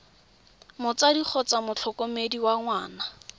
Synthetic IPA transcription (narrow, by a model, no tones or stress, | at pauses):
mʊt͡sadik͡xʰɔt͡samʊt͡ɬʰɔkɔmediwaŋwaːna